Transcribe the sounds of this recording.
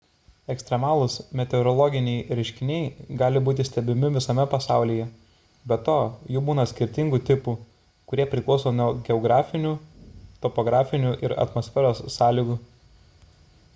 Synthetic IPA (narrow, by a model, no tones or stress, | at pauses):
ɛksʲt̪ʲɾʲɛmɑːlˠʊsmʲɛt̪ʲɛʊɾɔlˠɔɡʲɪnʲɛɪɾʲɛɪʃʲkʲɪnʲɛɪɡɑːlʲɪbuːt̪ʲɪsʲt̪ʲɛbʲɪmʲɪʋʲɪsɐmʲɛpɐsɑˑʊlʲiːjɛ | bʲɛt̪oːjuːbuːnɐsʲkʲɪɾʲt̪ʲɪŋɡuːt̪ʲɪpu | kʊɾʲiɛpʲɾʲɪklˠɔʊsoːnuɔɡʲɛɔɡɾɑːfʲɪnʲuːt̪ɔpɔɡɾɑːfʲɪnʲuːʔɪɾɐ̰t̪mɔsʲfʲɛɾoːsːɑːlʲiːɡuː